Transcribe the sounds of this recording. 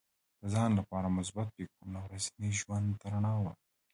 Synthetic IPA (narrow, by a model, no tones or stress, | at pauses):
d̪̥əzɑnlapɑɾamʊsbat̪̚pekunawɾasniʒwand̪t̪aɾaɳɑwa